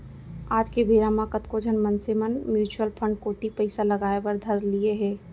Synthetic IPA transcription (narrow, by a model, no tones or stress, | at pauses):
aːd͡ʒkebʱeːɾamãkət̪kod͡ʒʱənmənsemənmjuːt͡ʃuəlpʰə̃ɳɖ̚koːʈipəɪsaləɡaːebəɾd̪ʱəɾlieɦɛ̃ː